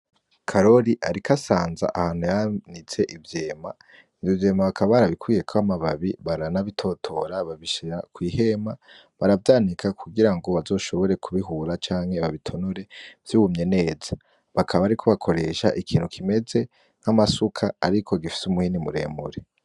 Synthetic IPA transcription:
kʰaɾo̞ɾiʔaɾikʰasaːnza̰ʔahaːn̥hujanit͡se̞ʔivjeːma̰ | novje̞ːmaβakʰaβaβaɾaβikʰwiːje̞kʰoβamaβaβiβaɾanaβitʰo̞tʰo̞ɾaβaβiʃakwiːhe̞ma | βaɾavdaːnikʰakuɡiɾaŋɡo̞βazo̞ːʃo̞βo̞ɾe̞kʰuβiɦuːɾat͡ʃaːŋ̥he̞βaβitʰo̞noɾe̞v̥juːβumɲe̞ne̞ːz̥a | βakʰaβaɾikʰo̞βakʰo̞ɾe̞ʃa̰ʔikʰiːnhukʰime̞ze̞ | ŋ̥hamasukʰaːɾikʰo̞ɡifi̥sumuhinimuɾe̞̰ːmuɾe

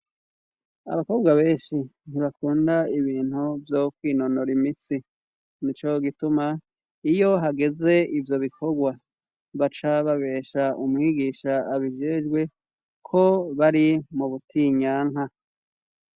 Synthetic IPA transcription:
a̰βako̞ːbɡaβe̞ːnʃin̥iβakuːndaiβiːn̥huvjokwiːno̞noɾimit͡si | nit͡ʃo̞ɡituma | ijo̞ɦaɡe̞ze̞ivjo̞βikʰo̞ɡwa | βat͡ʃaβaβe̞ːʃaumŋiːɡiːʃaːβiʒeʒɡwe̞ | kʰo̞βaɾimuβutʰiɲaːŋɦa

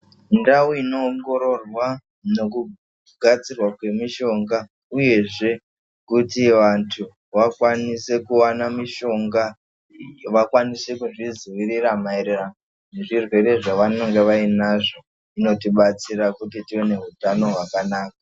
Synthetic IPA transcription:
ndauino̞ːŋɡo̞ɾo̞rwa | no̞ku | ɡʱat͡sirwakwe̞miʃo̞ŋɡa | uje̞ʐe̞ | kutiʋantʰu | ʋakwanise̞kuwanamiʃo̞ŋɡa | ʋakwanise̞kuʐiziʋiriramaeɾerano | ne̞ʐirwe̞ɾe̞ʐaʋano̞ŋɡe̞ʋainaʐo̞ | ino̞tiɓat͡siɾakutitiwe̞ne̞ɦutano̞ɦwakanaːka

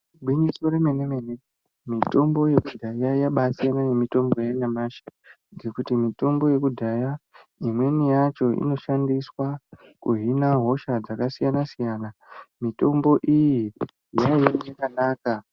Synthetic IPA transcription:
ɓwiɲisoɾemenemene | mito̞mbo̞je̞kudʱajajaɓasijanane̞mito̞mbo̞janamaʃḁ | ŋɡe̞kutimito̞mbo̞je̞kudʱajaimwe̞nijat͡ʃo̞ḭno̞ʃandiswa | kuɦinaɦo̞ʃad͡zakasijanasijanamito̞mbo̞ʔiji | jaijanjakanaːka

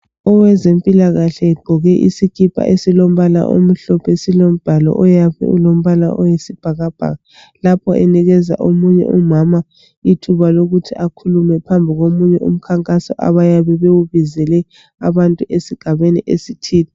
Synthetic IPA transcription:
ɔwɛzempʼilaɣaɬɛːɡ͡ǃʱɔɣɛʔisikʰʼipʰa̰ʔesilom̩βala̰ʔo̰m̩ɬɔpʰesilom̩b̥ʱalɔ̰ʔɔjapɛ̰ulom̩βala̰ʔɔjesib̥ʱaɣab̥ʱa̰ɣa | lapʰɔʔɛ̰niɣɛza̰ʔomuɲɛ̰ʔumama | itʰuβaloɣutʰiakʰulumɛpʰambʱiɣomuɲɛṵm̩kʰaŋkʼasɔ̰ʔa̰βajaβɛβewuβizɛlɛ | aβantʼuʔesiɡ̥ʱaβeniʔesitʰiːni

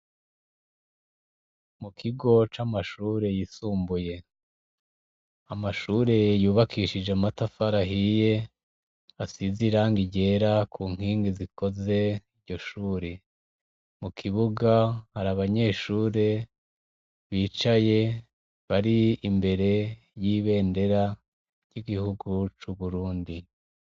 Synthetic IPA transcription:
mukʰiɡo̞t͡ʃamaʃuːɾe̞jisuːmbuje̞ | amaʃuːɾe̞juːβakʰiːʃid͡ʒeamatafaɾaɦije̞ | asiziɾaːŋɡiɟe̞ːɾakʰuːŋ̥hiːŋɡiziko̞ze̞iɾɟo̞ʃuːɾe | mukʰiβuɡahaɾaβaɲe̞ːʃuːɾe̞ | βiːt͡ʃaje̞ | βaɾiimbe̞ɾe̞ | jiːβe̞ːnde̞ɾa | ɟ̥iɡihuɡut͡ʃuβuɾuːndi

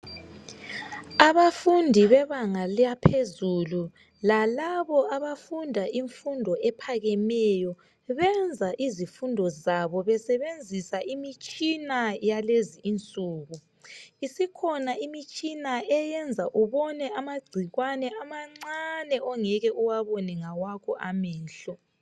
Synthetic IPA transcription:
aβafundʱiβɛβaŋalijapʰezulu | lalaβɔʔaβafundʱaʔiɱfundʱɔɛpʰaɣɛmɛjɔ | βɛnd͡zʱaʔizifundʱɔzaβɔβɛsɛβend͡zʱisaʔimit͡ʃʼinajaleziːnt͡sʼuːɣu | isikʰɔnaimit͡ʃʼinaɛjɛnd͡zʱaʔuβɔnɛʔamaɡ͡ǀʱiɣwanɛamaŋ͡ǀanɛʔɔŋɛɣɛʔuwaβɔnɛŋawakʰɔʔamɛːnɬɔ

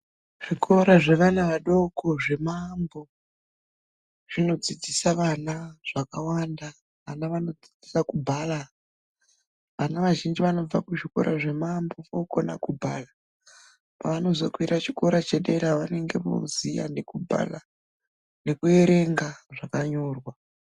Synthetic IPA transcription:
ʐ̥ikʰo̞ɾaʐeʋanaʋaɗo̞kʰo̞ʐe̞mambo̞ | ʐ̥ino̞d͡zid͡zisaʋanaʐ̥akawanda | ʋanaʋano̞d͡zid͡zisakubʱala | ʋanaʋaʒind͡ʒiʋano̞b͡vakuʐiko̞̰ɾʔaʐe̞mambo̞ʋoko̞na̰kubʱala | pa̰ʋano̞zo̞kwiɾat͡ʃiko̞ɾat͡ʃeɗe̞ɾaʋane̞ŋɡe̞ʋo̰zija̰nekubʱa̰la | ne̞kue̞ɾe̞ŋɡaʐakaɲo̞ːrwa

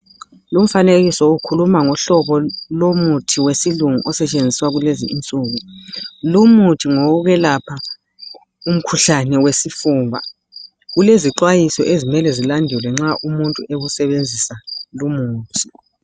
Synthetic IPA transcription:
lum̩faneɣisɔukʰulumaŋɔɬɔβɔlomutʰiwesiluŋuʔɔsɛt͡ʃʼend͡zʱiswaɣuleziint͡sʼuːɣulumutʰiŋɔɣuɣɛlapʰa | um̩kʰuɬanɛwesifuːmba̰ | ɣuleziǃwajisɔʔezimɛlɛzilandʱɛlwɛŋ͡ǁaʔumuntʼṵeɣusɛβend͡zʱisalumuːtʰi

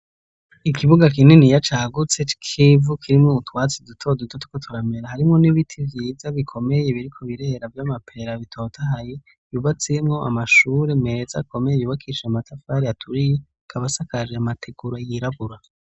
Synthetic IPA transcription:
ikʰiβuɡak̬inenijat͡ʃaːɡut͡se̞t͡ʃi̥kʰivukʰiɾimŋoutwaːt͡sidutʰo̞dutotu̥kotʰuɾame̞ɾahaɾimŋo̞niβitʰivjiːzaβikʰo̞me̞je̞βiɾikʰo̞βiɾe̞ɾavjamapʰe̞ɾaβitʰo̞ːtʰaɦaje | juβat͡semŋo̞ʔa̰maʃuːɾe̞me̞za̰kʰo̞mejejuːβakʰiːʃeamatafaɾeatʰuɾije | kʰaβasakaʒeamatʰeɡuɾojiɾaβuɾa

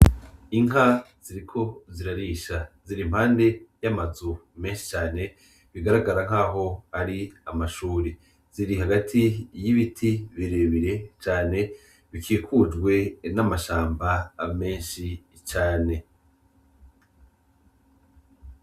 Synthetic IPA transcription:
iŋɦaz̥iɾikʰo̞ziɾaɾiːʃaziɾim̥haːnde̞jamazume̞ːnʃi̥t͡ʃaːne̞ | βiɡaɾaɡaɾaŋ̥aːɦo̞aɾiamaʃuːɾi | z̥iɾiɦaɡatʰijiβitʰiβiɾeβiɾe̞t͡ʃaːne̞ | βikʰiːkud͡ʒɡwe̞namaʃaːmbame̞ːnʃi | t͡ʃaːne̞

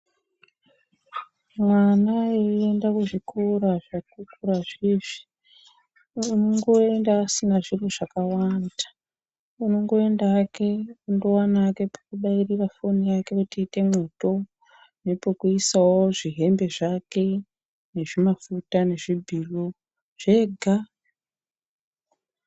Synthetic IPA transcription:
mwanaee̞ndakuʐikʰoɾaʐatukuɾaʐiːʐi̥ | uno̞ŋɡo̞endaːsinaʐiroʐakawanda | uno̞ŋɡo̞e̞ndaːke̞undo̞wanake̞pḁkuɗairirafonijake̞kutiːte̞mwo̞to̞ | ne̞pokuisawoʐiɦe̞mbe̞ʐake̞ | ne̞ʐimafutane̞ʐibʱilo | ʐ̥e̞ɡʱa

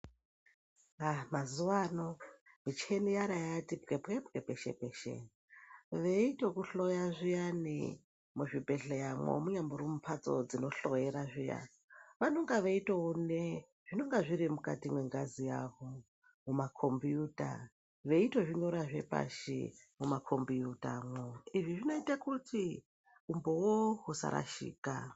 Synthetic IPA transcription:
amazuʋanomit͡ʃenijaɾajatipkepkepkepeʃḛpeʃḛ | ʋeitokuɬo̞jaʐijanḭ | muʐibʱe̞ɬejamwo̰muɲambuɾumupʰat͡so̞̰d͡zino̞ɬo̞jeɾaʐija̰ | ʋanoŋɡaʋeitoone | ʐ̥ino̞ŋɡaʐiɾimuka̰timweŋɡazijaʋo | mumakʰo̞mbijuːta̰ | ʋe̞ito̞ʐiɲo̞ɾaʐe̞̰pa̰ʃḭmumakʰo̞mbijutaaːmwoiʐiʐino̞itakutʰi | umbowoɦusa̰ɾa̰ʃḭːka

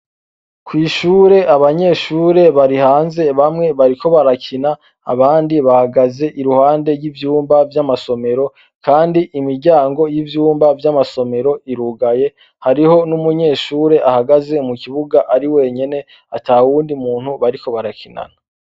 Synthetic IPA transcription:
kwiːʃuːɾe̞ʔaβaɲe̞ːʃuːɾe̞βaɾihaːnze̞βamŋe̞βaɾiko̞βaɾacina | a̰βaːndiβahaɡaze̞ʔiɾuhaːnde̞ɾɡivjuːmbavjamaso̞me̞ɾo̞ | kʰaːndiʔimiɾɟaːŋɡo̞jivjuːmbavjamaso̞me̞ɾo̞iɾuɡaje̞ | haɾiho̞numuɲe̞ːʃuːɾe̞ʔahaɡaze̞umukiβuɡaʔaɾiwe̞ːɲe̞ne̞ | atʰauwuːndiumuːnhuβaɾiko̞βaɾacʰina̰na

